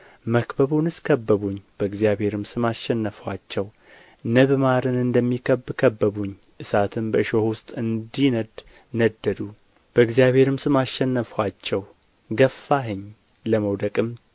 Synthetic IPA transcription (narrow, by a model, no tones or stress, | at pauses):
məkbəβunɨskʰəbːəβuɲːb̥əɨɡzjabhe̞ɾɨmsɨmaʃːɛnːəfwat͡ʃːɛw | nəβmaɾɨnɨnd̪əmːikʰəbkʰəbːəβuɲː | ʔɨsat̪ʰɨmbəɨʃohʊst̪ʼɨnd̪inəd̪ | nəd̪ːəd̪u | b̥əɨɡzijaβhe̞ɾɨmsɨmaʃɛnːəfwat͡ʃːɛw | ɡəfːaɦɨɲ | ləməwd̪əkʼɨm